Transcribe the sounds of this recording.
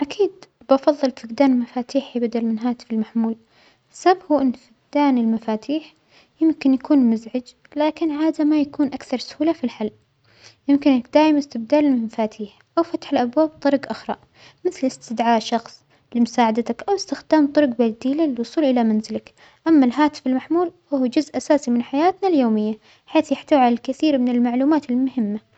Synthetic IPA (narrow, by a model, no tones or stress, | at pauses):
ʔakʰiːd̪ | bɑfɑðˤːɨlfɪɡd̪aːnɪlmafaːt̪ʰiːħibad̪almɪnɦaːt̪ɪ̥fɪlmaħmuːl | sabhuʔɪnːfɪɡ̚d̪aːnɪlmafaːt̪ʰiːħ | jɪmkɪnjakuːnmʊzʕɪd͡ʒ | laːkɪnhaːd̪amajakuːnʔakθɑɾˤsʊ̥huːlafilħalːʔ | jɪmkɪnkd̪aːjɪmɪst̪ɪbd̪aːlɪlmafaːt̪ʰiːħ | ʔawfat̪ħɪlʔabwaːb̚t̪ˤɨɾˤɡʔaxɾˤɑ̰ʔ | mɪθlɪst̪ɪd̪ʕaːʔʃɑxsˤ | lɪmʊsaːʕad̪at̪akʔawɪst̪ɪxd̪aːmt̪ˤʊɾɡbald̪iːlalɪwʊsˤuːlʔɪlamanzɪlak | ʔamːalɦaːt̪ɪ̥fɪlmaħmuːlfahuːd͡ʒʊzʔasaːsimɪnħajaːt̪naljoːmɪjːa | ħeːθjaħt̪aːwʕalalkaθiːɾmɪnɪlmaʕluːmaːt̪ɪlmʊhɪmːa